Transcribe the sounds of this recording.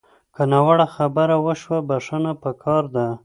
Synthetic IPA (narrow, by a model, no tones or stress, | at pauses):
kənɑwaɽaxabəɾawəʃwabaʂənapəkʰɑɾd̪a